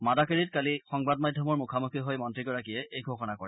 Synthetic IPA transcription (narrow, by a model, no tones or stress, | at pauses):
madakeɹitkalixɔŋbadmadʱjɔmɔɹmukʰamukʰiɦojmɔntɹiɡɔɹakiɛʔejɡʱoxɔnakɔɹɛ